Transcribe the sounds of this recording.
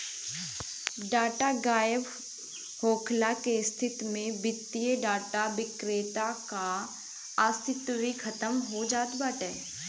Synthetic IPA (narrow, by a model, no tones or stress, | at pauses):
ɖaːʈaɡaːjəʋ | hoːkʰlakest̪ʰɪt̪mẽbɪt̪ːijəɖaːʈaʋɪkɾeːt̪aka | aːst̪ʰɪt̪ʋikʰɐt̪əmɦod͡ʒaːt̪baʈɛː